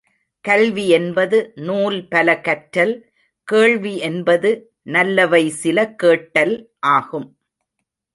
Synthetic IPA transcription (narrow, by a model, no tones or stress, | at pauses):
kɐlʋiɛnbɐðɯnuːlpɐlɐkɐʈɾɐl | keːɭʋiʔɛnbɐðɯ | nɐlːɐʋɐɪsɪlɐkeːʈːɐlʔaːɣɯm